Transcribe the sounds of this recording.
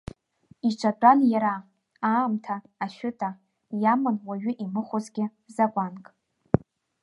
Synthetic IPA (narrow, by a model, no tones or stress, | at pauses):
iʈ͡ʂʷʰatʼanjaɾa | aːmtʰaːʃᶣʊtʼa | jamɨnwaɥɪʔimɨχʷʊzɡʲɪ | zakʷʼankʼ